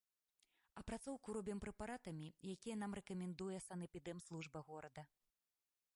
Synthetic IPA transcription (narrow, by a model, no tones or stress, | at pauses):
ɐpɾat̪sɔwkuɾɔbʲɛmpɾɛpaɾat̪ɐmʲijakʲijɐnamrɛkɐmʲɛnd̪ujɛsɐnɛpʲid̪ɛmslˠuʐbɐɣɔɾɐd̪ɐ